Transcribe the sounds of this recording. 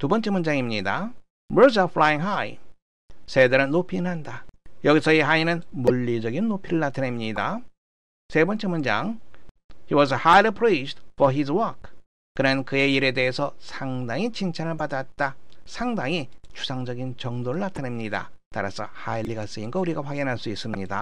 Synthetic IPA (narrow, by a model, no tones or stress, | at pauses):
tubʌnt͡ɕ͈e̞mund͡ʑaŋimɲida̰ | mɯɭd͡ʑafʰlajiŋɦaj | sʰedɯɾɯnːopʰinɦandajʌɡisʰʌiɦainɯnmuʎːid͡ʑʌɡinːopʰiɾɯɭnatʰane̞mɲida | sʰe̞bʌnt͡ɕ͈emund͡ʑaŋ | hiwʌzəhajlipʰɾestfʌɦiswʌk̚ | kːɯnɯnkɯe̞iɾe̞de̞ɦesʰʌsʰaŋdaŋit͡ɕʰint͡ɕʰanɯɭpadat̚t͈asʰaŋdaŋit͡ɕʰu̥sʰaŋd͡ʑʌɡint͡ɕʌŋdoɾɯɭnatʰane̞mɲida̰ | ta̰ɾa̰sʰʌ̰hajlːiɡas͈ɯinɡʌuɾiɡaɸwaɡinɦaɭs͈uis͈ɯmɲida